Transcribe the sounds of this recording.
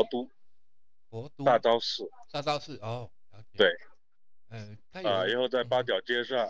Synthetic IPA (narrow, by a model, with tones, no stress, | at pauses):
t̪u˥˧˥ | t̪a˥˩ʈ͡ʂɑ˥ʊsɹ̩˥˩˥ | t̪we˥˩ɪ | ə˧i˧˥xo˥˧ʊt͡sa˥˩ɪpa˥t̪̬jɑ˨˩ʊt͡ɕjɛ˥ʂɑ˥˩